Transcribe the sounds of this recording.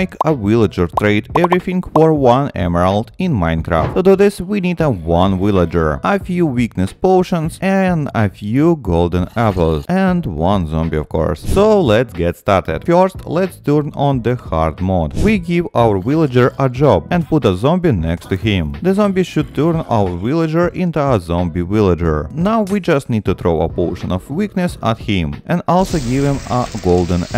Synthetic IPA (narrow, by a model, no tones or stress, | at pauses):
ɪkʰəwɪlˠəd͡ʒəɹt̪ɹeɪtɛvɹiθɪ̃ŋɡfɔɹwʌ̃nɛ̰məɹalˠtɪ̃nmãɪ̃nkɹa̰fttuduðɪswinidəwʌ̃nwɪlˠəd͡ʒə̰˞ʔəfjuwiknɨspoʊʃə̃nzɛ̃nəfjuɡoʊlˠdə̃nɛpl̩ˠz̥ɛ̃ndwʌ̃nzɔ̃mbiɔ̰fkʰɔ̰ɹssoʊlɛtsɡɛtstɑɹtɪ̰d̥fɜɹstlɛtstəɹnɔ̃nðəhɑ̰ɹd̪mɔdwiɡɪvaəwɪlˠəd͡ʒəɹʔəd͡ʒɔb̚ɛ̃nput̪əzɔ̃mbinɛkstɨɦɪ̃mðɨzɔ̃mbiʃud̚tʰəɹnawəɹwɪlˠəd͡ʒə˞ʔɪ̃ntuəzɔ̃mbiwɪlˠəd͡ʒə̰ɹnawwid͡ʒʌstnid̚tuθɹoʊə̰pɔʃə̃nɔvwiknɨsəthɪ̃mʔɛ̃ndɔlˠsoɡɪvɪ̃məɡoʊlˠdə̃n